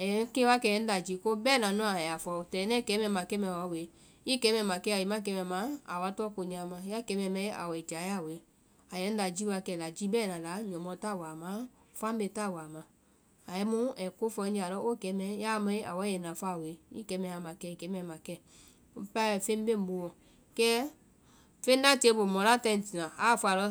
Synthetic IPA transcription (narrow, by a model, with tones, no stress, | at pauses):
ɛ˨˦ke˦wa˦kɛ˧˨ɛ˨˦da˨d͡ʒi˨˧˦ko˦bɛ˦˨nã˨nɔ̃˦a˨ɛ˨ja˨fɔ˧˨tɛ˨˦nɛ˦˨kɛ˨˦mɛ˧˨ma˨kɛ˦mɛ˨wa˨˦˨we˨˦ | i˦˨kɛ˨˦mɛ˧˨mã˨kɛ˦a˨ji˨mã˦˨k̬ɛ˧˦mɛ˧˨mã˨˦a˨wa˧˦tɔ˦ko˧ɲã˧˨mã˧ja˦˨kɛ˨˦mɛ˧˨mɛ˧˦a̰˨wɛ˨t͡ʃa˨˦ja˦˨we˨˦ | a˨jɛ˨˦n̩˦da˨d͡ʒi˦wa˧˦kɛ˧˨la˨d͡ʒi˦bɛ˦˨nã˨la˨˦ɲɔ̃˨mɔ˧ta˦˨wa˨mã˨˦˨ | fa˦m˦be˧˨ta˦˨wa˨mã˨ | a˨jɛ˦mu˦ɛ˨ko˦fɔ˧˦ɲd͡ʒa˨lɔ˦ʔo˦˨kɛ˨˦mɛ˨˦ja˦mɔ˦ʔa̰˨wa˨˦ɛ˨nã˨fa˦˨we˨˦ḭ˦kɛ˨˦mɛ˨a˨ma˨kɛ˧i˨kɛ˨˦mɛ˨mã˨kɛ˦˨˦ | pa˦ɛ˨fe˦m˦be˦m˦bo˧wɔ˨ | kɛ˦ | fe˦n˦da˦˨te˦bo˨mɔ˨la˦˨tɛ˧˦˨n̩˨ti˨nã˨a˨˦˨fa˨lɔ˧˦